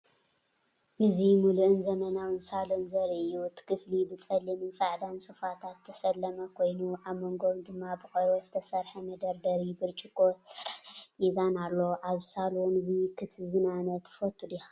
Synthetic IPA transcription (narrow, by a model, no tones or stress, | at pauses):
ʔɨzimuluʔɨnzɐmɐnawɨnsalonzɐɾiʔɨjːut̪ʰɨ̥kʰɨflibɨt͡sʼɐlimɨnt͡sʼaʕd̪ansɨfat̪ʰat̪ʰːɐsɐlːɐmɐkʰo̞jnuʕaβmoŋɡomd̪ɨmːabɨxʼoɾozɨt̪ʰɐsɐɾħɐmɐd̪ɐɾd̪ɐɾibɨɾt͡ʃʼɪkʰʼo | izanalːo̞ʔaβsalonɨzikʰɨt̪ʰzinanɐt̪ʰːfɐt̪ʰʼːud̪ia